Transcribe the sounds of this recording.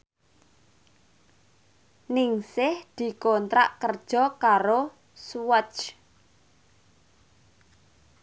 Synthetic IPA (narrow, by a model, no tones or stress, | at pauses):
nɪŋsɪhd̪̥i̤kɔnt̪ɾa̰ʔkərd̥ʒ̥ɔ̤kaɾo | swət͡ʃ